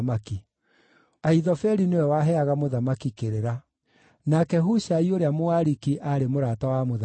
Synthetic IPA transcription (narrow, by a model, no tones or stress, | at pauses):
maki | aiðɔfɛɾinewɛwaɦɛaɣamoðamakikeɾeɾa | nakɛɦuʃaioɾeamoaɾikiʔaɾemoɾatawamoða